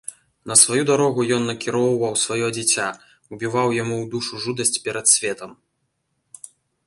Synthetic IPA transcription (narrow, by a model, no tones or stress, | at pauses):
nɐsvajud̪aɾɔɣujɔnːɐkʲiɾɔwvɐwsvajɔd͡zʲit͡sʲa | ubʲivawjamuwd̪uʂuʐud̪ɐsʲt͡sʲpʲɛɾɐt̪sʲvʲɛt̪ɐm